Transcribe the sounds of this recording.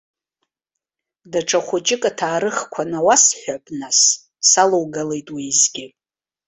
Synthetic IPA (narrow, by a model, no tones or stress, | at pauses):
daʈ͡ʂʼʰaχʷʊd͡ʒʼɪkʼatʰaːɾɨχkʷʰanawasħʷᶣapʼnas | salowɡalejtʼwizɡʲɪ